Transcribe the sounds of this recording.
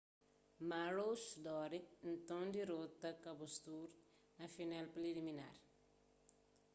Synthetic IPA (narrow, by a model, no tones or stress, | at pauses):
maɾosd̪ɔɾin̩t̪õŋd̪iɾot̪ɐkɐbust̪uɾ | nɐfinɛlplilimina̰ɾ